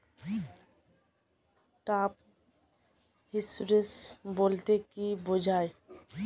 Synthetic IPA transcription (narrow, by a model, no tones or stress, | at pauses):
ʈap̚ | ɦisɾesboːlt̪ekibod͡ʒʱaːe